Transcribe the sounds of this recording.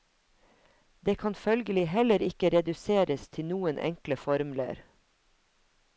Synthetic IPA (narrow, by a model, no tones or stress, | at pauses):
d̪eːkʰɑnfœlɡəlɪɦɛləɾɪkəɾɛd̪ʉseːɾəst̪ʰɪnuːənʔɛ̰ŋkləfɔɾmlə̰ɾ